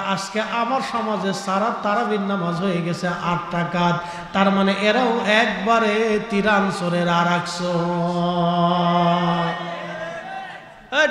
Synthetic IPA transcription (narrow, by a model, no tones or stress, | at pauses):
askeʔamaɾʃɔmad͡zesaɾat̪aɾabinːamad͡ʑɦojeɡɛt͡ɕʰeʔaʈʰʈakat̪ | t̪ːaɾmaneʔeɾawɛkbaɾet̪iɾansoɾeɾaɾakso